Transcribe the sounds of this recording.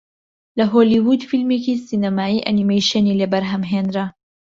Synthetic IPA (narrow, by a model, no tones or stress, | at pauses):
lɐɦoːliwud̪filmekisinɐmaːiːʔɐnimejʃenilɐbɐɾɦɐmɦeːnɾɐ